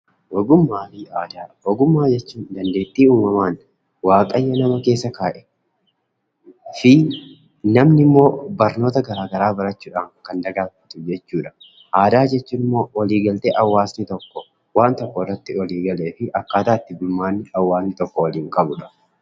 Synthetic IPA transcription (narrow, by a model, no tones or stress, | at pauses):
wɐɡʊmːaːfɪaːd̪awɔɡʊmːaːd͡ʒɛt͡ʃːuːnnd̪ɐnd̪e̞ːt̪ːiːuːmɐmaːn | waːkʼɐjːɐnɐmɐke̞ːsːɐkaːʔɛ | fɪ | nɐmnɪmːo̞ːbɐɾno̞ːt̪ɐɡɐɾaːɡɐɾaːbɐɾɐt͡ʃːuːᶑaːŋkɐnd̪ɐɡaːfɐ̥t̪ʊd͡ʒɛt͡ʃːuːᶑɐ̥ | ʔaːd̪aːd͡ʒɛt͡ʃːuːnɪmːo̞ːwɐliːɡɐlt̪ɛʔɐwːaːsnɪt̪ɔkːɔ | waːnt̪ɔkːɔɪrːɐt̪ːɪwɐliːɡɐle̞ːfɪʔɐkːaːt̪aːt̪ːɪbʊlmːaːnːɪɐwːaːsnɪt̪ɔkːɔwɐliːŋkʼɐbʊᶑɐ̥